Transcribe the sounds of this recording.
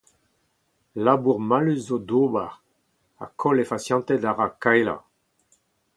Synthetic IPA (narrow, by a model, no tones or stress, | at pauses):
labuʁmalyzːod̪oːbaʁ | a̰kʰɔlefasjɑ̃nt̪ɛd̪aʁakajla̰